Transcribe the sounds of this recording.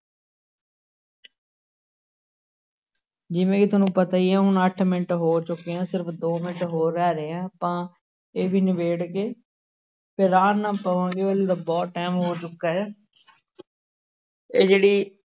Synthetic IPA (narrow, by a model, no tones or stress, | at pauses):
d͡ʒɪʋẽːkɪt̪ʊnũːpət̪aːiːɛːɦʊnəʈʰmɪnʈɦoːt͡ʃʊkːejãːsɪɾəpʰd̪oːmɪnʈɦoːɾɛːɾeãːpãː | eːbʱiːnɪbeːɽkeː | pʰɪɾaːnnãːpəʋãːɡeːʋəleːd̪aːbɔːʈɛːmɦoːt͡ʃʊkːaːɛː | eːd͡ʒeːɽiː